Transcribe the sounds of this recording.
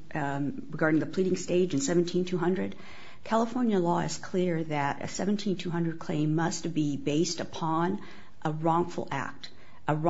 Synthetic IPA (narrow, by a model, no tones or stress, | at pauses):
ɹɨɡɑɹɾɪ̃ŋðɨpʰl̥iɾɪ̃ŋsteɪd͡ʒɨ̃n̩sɛṽn̩tʰĩntʰʉɦʌ̃ndɹɨd̥ | kʰælˠəfɔɹnjəlɔɨ̰z̥kʰl̥ɪɹðɨɾɨ̰sɛvn̩tʰĩntʰʉɦʌ̃ndɹɨd̚kʰl̥ḛ̃ɪ̃mːʌstb̥ibeɪstəpʰɑ̃n | ʔəɹɔ̃ŋfl̩ˠæ̰k̚t | ʔə